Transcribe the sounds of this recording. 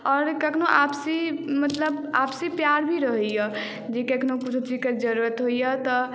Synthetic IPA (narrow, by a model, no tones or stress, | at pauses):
ɔːɾkəkʰnoʔapsimət̪ləba̰psipjaɾbʱiɾəɦjə | d͡ʒekəkʰnokut͡ʃʰt͡ʃikəɾd͡ʒəɾuɾət̪ɦoijat̪ɔ